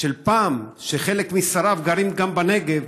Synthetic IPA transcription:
elpaːmʃeχe̞lekmisaɾavɡaɾimɡambane̞ɡev

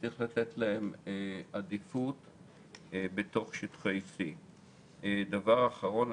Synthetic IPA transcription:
iχlat̪et̪lahe̞mad̪ifut̪ | be̞t̪o̞χʃit̪χejsi | d̪avaʁaːχaʁo̞n

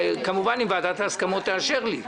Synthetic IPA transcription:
kamuvanimvaːt̪at̪askamo̞t̪ːeaʃe̞ʁli

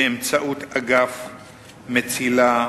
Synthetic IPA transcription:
emt͡saʔutaɡaf | met͡sila

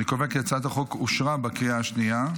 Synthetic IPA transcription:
ikovekjat͡sat̪haχokuʃʁabakijaːʃnia

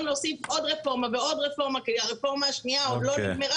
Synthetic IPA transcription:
mlosifo̞dʁefo̞ʁmaveo̞dʁefo̞ʁmakediaʁefo̞ʁmaːʃniaoloemeʁa

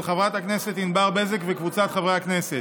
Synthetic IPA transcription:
lχavʁat̪akneset̪inbaʁbezekvekvut͡sat̪χavʁeaknese

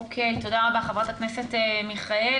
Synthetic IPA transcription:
okʰejt̪o̞daʁabaχavʁat̪aknesetemiχae

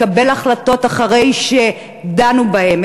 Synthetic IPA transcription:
abe̞laχlato̞taχaʁe̞jʃe | danubahe̞m

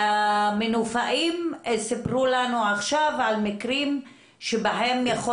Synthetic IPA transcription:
amenufaʔimsipʁulanuaχʃavʕalmikʁim | ʃebaɦemjaχo

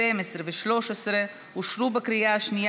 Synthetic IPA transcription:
emesɾeveʃloʃesɾe | uʃɾubekɾijaʃni

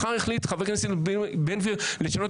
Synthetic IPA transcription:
χaʁiχlit̪χaveknasebenviʁleʃanot

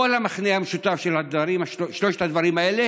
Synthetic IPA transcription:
olhamaχneameʃut̪afʃelad̪vaʁimaʃʃloʃe̥t̪ad̪vaʁimaele

